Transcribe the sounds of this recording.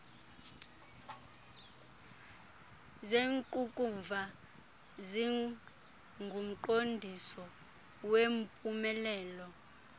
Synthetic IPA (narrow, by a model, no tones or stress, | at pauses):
zeŋkʼukʼuɱvʱa | zi | ŋɡʱum̩ǃondʱisɔ | wem̩pʼumɛlɛːlɔ